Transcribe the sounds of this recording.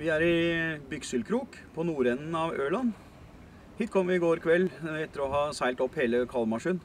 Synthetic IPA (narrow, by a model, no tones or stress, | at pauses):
ʋɪæɾɪbʏksəlkʰɾuːk | pʰɔnuːɾɛnːn̩ɑʋøːɭɑn | hiːt̪̚kʰɔmːəʋɪɡoːɾkʰʋɛlːɛt̪ːəɾɔɦɑːsæɪlt̪ɔpːheːləkʰɑlmɑʂʉn